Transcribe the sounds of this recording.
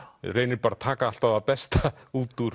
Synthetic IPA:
rejnɪɾpaːɾat̪ʰaːkaal̥t̪aðapɛst̪auːt̪uɾ

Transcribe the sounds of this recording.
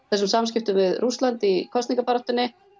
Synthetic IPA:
θɛsʏmsamscɪft̪ʏmvɪðrʔust̪lant̪ikʰɔst̪iŋkapaɾɔht̪ʏnːɪ

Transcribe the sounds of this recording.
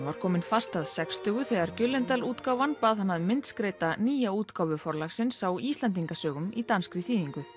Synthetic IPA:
vaɾ̥kʰɔːmɪnfast̪aðsɛkst̪ʏːɣʏθɛːɣaɾcʏlːɛnt̪aluːt̪kaːwvanpaːðhanːaðmɪnt̪skɾeːjt̪aniːjauːt̪kawvʏfɔɾlaxsɪnsawiːst̪lant̪̬iŋkasœːɣʏmit̪anskɾɪθiːðiŋkʏ

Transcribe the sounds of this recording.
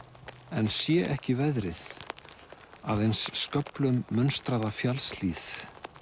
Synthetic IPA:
ɛnsjɛʔɛhcɪvɛðɾɪð | aðejnsːkœplʏmːʏnst̪ɾaðafjalsliːθ

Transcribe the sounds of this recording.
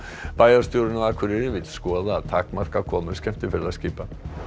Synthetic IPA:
paːjaɾ̥st̪jowɾɪnaakʰvɪɾɪɾɪvɪt̪skɔːðaːðt̪ʰaːkmar̥kakʰɔːmʏɾscɛm̥t̪ɪfɪɾɪðaðsciːpa

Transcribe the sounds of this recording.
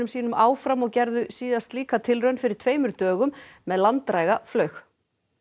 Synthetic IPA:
ʏmsiːnʏmaːwfɾamɔɣcɛɾðʏsiːðast̪liːkat̪ʰɪlrœɥnfɪɾɪɾ̥t̪ʰveːjmʏɾ̥t̪œːɣʏmːɛðlant̪ɾaːjɣaflœɥx

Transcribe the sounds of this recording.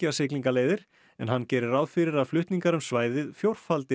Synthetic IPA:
ɪasɪkliŋkaleːjðɪɾ̥ | ɛnɦanːcɛːɾɪɾawðfɪɾɪɾaðflʏht̪niŋkaɾʏmsvaːjðɪðfjowɾ̥falt̪ɪ

